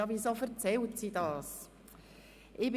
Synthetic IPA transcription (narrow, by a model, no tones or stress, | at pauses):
ɑʋisofəɾt͡sɛltsidɑːs | ʔɪb